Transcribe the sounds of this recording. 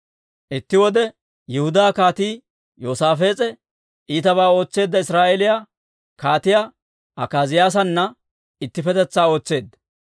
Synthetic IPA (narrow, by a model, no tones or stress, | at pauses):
ʔɪt̪ːɪwɔd̪ɛ | jɛhʊd̪aːkaːt̪iː | joːsaːfe̞ːt͡sʼɛ | ʔiːt̪ɐβaːo̞ːt͡sːe̞ːd̪ːɐɪsɾaːʔelɪjaː | kaːt̪ɪja | ɐkaːzɪjaːs̬ɐnːɐ | ɪt̪ːɪfɛt̪ɛt͡sːaːo̞ːt͡sːe̞ːd̪ːɐ